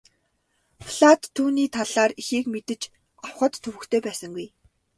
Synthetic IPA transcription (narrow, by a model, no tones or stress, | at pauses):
fɮat̪ʰːuːniːt̪ʰaɮaːrixeːkmet̪ɘ̆t͡ɕ | ɔwχə̆t̪ʰːɵwɵ̆kt̪ʰeːpæːsə̆ŋɡuj